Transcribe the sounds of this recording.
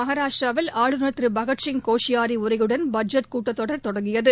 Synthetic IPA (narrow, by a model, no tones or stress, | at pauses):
mɐɦaːɾaːʂʈɾaːʋɪlaːɭɯnɐt̪rɯbɐɣɐʈt͡ʃɪŋkoːʂɪjaːɾiʊɾɐjɯɽɐnbɐd͡ʒɐʈ̚kuːʈːɐt̪ːɔɽɐɾt̪ɔɽɐŋɡɪjɐðɯ